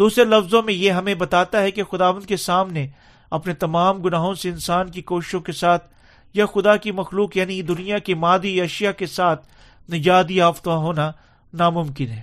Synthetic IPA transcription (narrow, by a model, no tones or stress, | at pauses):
d̪uːsɾelɐfzõmẽjeɦɐmẽbɐt̪aːt̪aɦɛkexʊd̪aːʋə̃nd̪kesaːmne | ɐpnet̪ɐmaːmɡʊnaːɦõseɪ̃nsaːnkikoːʃɪ̥ʃõkesaːt̪̚ʰ | jaxʊd̪akimɐxluːkjaːnid̪ʊnijakemaːd̪iɐʃɪjakesaːt̪̚ʰ | nɪd͡ʒaːd̪iaːft̪aɦoːna | namʊ̃mkɪnɦɛː